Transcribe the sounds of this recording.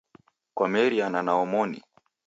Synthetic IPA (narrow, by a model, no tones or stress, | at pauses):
kwamɛɾiananaɔmɔnḭ